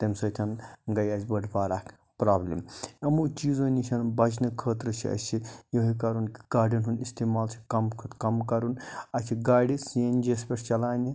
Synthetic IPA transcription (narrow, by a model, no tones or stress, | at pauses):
t̪ɐmsɐt̪ʰɐnɡɐjaːzbɐɖpaːɾakʰ | pɾaːblḭmɐmut͡ʃiːzoːnit͡ʃʰɐnbɐt͡ʃʰnikʰəːt̪ɾət͡ʃʰiɐ̰t͡ʃʰijoɦik̬ɐɾunki̥ɡ̥aːɾɖɐnɦunist̪iːmaːlt͡ʃʰi̥kɐmkʰut̪kɐmkɐɾunɐt͡ʃʰiɡaːɖisend͡ʒespʲeʈʰt͡ʃɐlaːni